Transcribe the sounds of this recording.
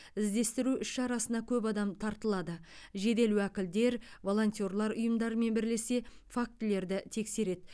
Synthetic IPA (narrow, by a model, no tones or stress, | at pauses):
ɪzd̪e̞st̪ɪɾuʔʏʃʃɑɾɑsənɑkʲʰɵpɑd̪ɑmt̪ʰɑɾt̪əlˠɑd̪əʒe̞d̪e̞luwækʲɪld̪e̞ɾvo̞lˠo̞nʲt̪ʲjo̞rlˠɑɾʊjəmd̪ɑɾəme̞nbɪɾle̞se̞fak̚t̪ɪle̞ɾd̪ɪt̪ʰe̞kse̞ɾe̞d̪